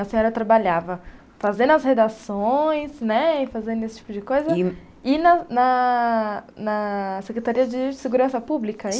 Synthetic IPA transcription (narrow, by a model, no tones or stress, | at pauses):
ɐsẽɲɔɾɐt̪ɾabaʎavɐ | fazẽd̪ɐshed̪asõj̃snɛɪfazẽnd̪ʊesɪ̥t͡ʃi̥pʊd͡ʒɪkojzɐ | ɪnɐnɐ | nɐsekɾet̪aɾiɐd͡ʒɪseɡuɾɐ̃sɐpublikɐ